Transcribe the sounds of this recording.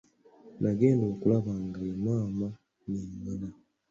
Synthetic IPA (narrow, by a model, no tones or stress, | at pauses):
naɡe̞ːndo̞ːkulaβaŋɡaemaːma | niŋala